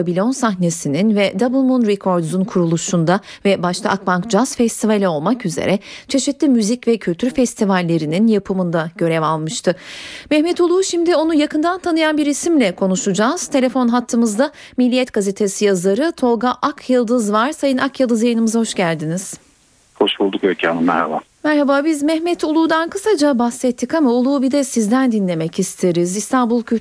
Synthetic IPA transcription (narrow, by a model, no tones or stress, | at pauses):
bilʲo̞nsaxnesininvɛd̪abɯlˠmunɾɛkʰo̞ɾd̪zunkʰuɾulˠuʃund̪avɛbaʃt̪ʰˠaʔak̚bankd͡ʒaz̥fɛst̪ʰivalʲɛo̞lˠmakyze̞̰ɾʔɛt͡ʃʰe̞ʃit̪lʲimyzicvɛcʰylʲt̪ʰyɾfɛst̪ʰivalʲːe̞ɾininjapʰɯmɯnd̪aɟ̥ø̞ɾɛvalˠmɯʃt̪ʰɯmɛçmɛt̪ʰolˠuʃimd̪io̞nujakʰɯnd̪ant̪ʰanɯjanbiɾisimlʲɛkʰo̞nuʃud͡ʒaːz̥t̪ʰe̞lʲe̞fo̞nɦat̪ʰːɯmɯzd̪a | milʲːijɛt̪ɡ̥azet̪ʰe̞sijazaɾɯt̪ʰo̞lˠɡaʔakʰjɯlˠd̪ɯzvaɾ̥sajɯnakjɯlˠd̪ɯzjajɯnɯmɯzaho̞ʃɟælʲd̪iniz̥ | ho̞ʃbulˠd̪ukøɾcʰa̰ːnɯmæ̰ɾha̰ba̰ː | mæɾhabaːbizmɛhmɛt̪ʰolˠuːd̪ankʰɯsad͡ʒabasɛt̪ʰːikamaolˠuːbid̪ɛsizd̪ænd̪inlʲe̞mɛcist̪ʰeɾizist̪ʰanbulˠkʰy